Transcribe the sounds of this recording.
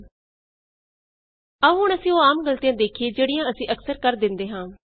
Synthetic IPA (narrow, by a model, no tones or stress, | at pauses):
əɦʊɳ̃əsĩːoːaːmɡəlt̪ijãːd̪eːkʰieːd͡ʒeːɽijãːəsĩːʔəksəɾkəɾd̪ɪnd̪eːɦãː